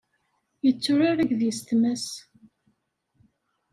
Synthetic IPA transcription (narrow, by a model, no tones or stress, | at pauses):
jət͡sːʊɾaɾæɡðjəst̪məs